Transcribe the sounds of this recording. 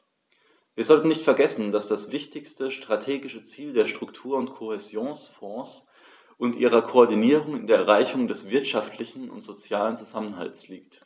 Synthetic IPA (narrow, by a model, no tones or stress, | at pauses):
viːɐzɔltn̩nɪçtfɛɐɡɛsn̩dasd̥asv̥ɪçtɪçstəʃtʁ̥atʰeːɡɪʃət͡siːldeːɐʃtʁ̥ʊktʰuːɐʊntkʰohezjoːnsfɔ̃ːs | ʔʊntʔiːʁɐkʰoɔɐdiniːʁʊŋɪndeːɐɛʁaɪçʊŋdɛsv̥ɪɐtʃaftʰlɪçn̩ʊ̰ntz̥ot͡sjaːlənt͡suzamənɦa̰lsliːkt